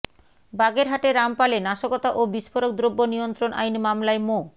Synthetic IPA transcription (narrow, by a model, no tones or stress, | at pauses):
baɡeɾɦaʈeɾampalenaʃokot̪aʔobiʃfoɾok̚d̪ɾobːonijont̪ɾonʔa̰jnmamlaemo